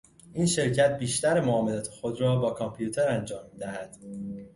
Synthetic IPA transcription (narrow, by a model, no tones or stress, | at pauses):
ʔiːnʃe̞ɾcʰæt̪̚biːʃt̪æɾemoɒːmelæːt̪ʰexod̪rɒːbɒːkʰɒmpʰijut̪ʰeɾænd͡ʒɒːmid̪æhæd̪̥